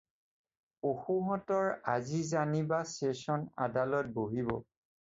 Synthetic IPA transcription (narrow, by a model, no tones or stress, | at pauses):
oxuɦɔtɔɹazizanibastesɔna̰dalɔt̚boɦibɔ